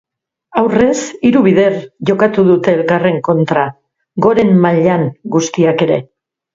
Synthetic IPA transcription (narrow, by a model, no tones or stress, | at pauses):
awre̞siɾuβið̞e̞rʝo̞kat̪uðut̪e̞ːlkare̞ŋko̞nt̪ɾa | ɡo̞ɾe̞mːaʎaŋɡust̪iake̞ɾe̞̰